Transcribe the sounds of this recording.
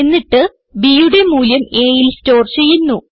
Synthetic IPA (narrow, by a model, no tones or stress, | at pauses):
enːiʈːɨ | biːjuɽe̞muːljɐme̞ːjilsto̞ːrt͡ɕe̞jːunːu